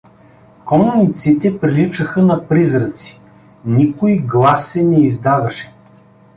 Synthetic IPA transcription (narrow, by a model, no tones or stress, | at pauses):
kɔmʊnit̪sit̪ɛpɾilit͡ʃəxənɐpɾizɾət̪si̥ | nikʊjɡlˠasːɛnɛizd̪avɐʃɛ̥